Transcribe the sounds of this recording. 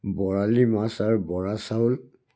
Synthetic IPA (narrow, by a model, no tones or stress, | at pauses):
bɔɹalimasaɹbɔɹasaʊl